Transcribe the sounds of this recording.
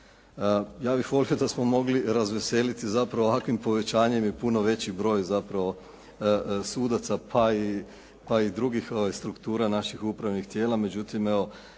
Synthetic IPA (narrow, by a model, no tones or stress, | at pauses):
jaːbixʋo̞lijo̞d̪asmo̞mo̞ɡliɾazʋese̞ːlit̪izapɾaʋoːʋakʋimpo̞ʋe̞t͡ɕaːɲe̞mjepuno̞ʋe̞t͡ɕibɾo̞ːjzapɾaʋo̞ | suːd̪at̪sapʰai | paid̪ɾuɡixo̞ʋajst̪ɾukt̪uːɾanaʃixupɾaʋnixt̪je̞ːlˠame̞d͡ʑut̪ime̞ʋo̞